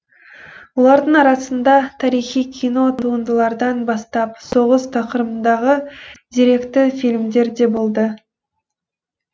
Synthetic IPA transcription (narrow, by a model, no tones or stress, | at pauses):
wo̞lˠɑɾd̪əɴɑɾɑsənd̪ɑt̪ʰɑɾijχijkʲʰijno̞t̪ʰuənd̪əlˠɑɾd̪ɑnbɑst̪ɑpso̞ʁəst̪ʰɑqəɾəmənd̪ɑʁəd̪̥eɾe̞kt̪ɪfilʲmd̪e̞ɾd̪e̞bolˠd̪ə